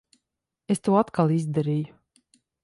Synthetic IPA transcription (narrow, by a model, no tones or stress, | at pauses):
est̪uːat̪kalˠizd̪aɾiːju